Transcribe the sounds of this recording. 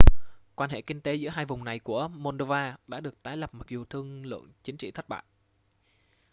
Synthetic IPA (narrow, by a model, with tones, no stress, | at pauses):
kwaː˧nɦḛ˧˨kï˧ŋ̟t̪e˨˦zɨ̰˧˥ɦaː˧jvʊ˨˩ŋ͡mna˨˩jku˧˩əmo˧nɗo˧vaː˧ɗa̰ː˧˥ɗɨ˨˩ək̚t̪aː˨˦jlə˨˩p̚ma˨˩k̚zu˨˩t̪ʰɨ˧əŋlɨ̰˧˨əŋt͡ɕï˨˦ŋ̟t͡ɕḭ˧˨t̪ʰə˦˥t̚ɓa̰ː˧˨j